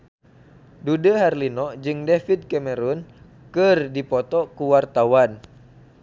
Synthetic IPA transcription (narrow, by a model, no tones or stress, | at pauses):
dudəɦarlinɔd͡ʒɨŋdɛfid̚kɛmɛɾun | kɨrdipɔt̪ɔkuwart̪awan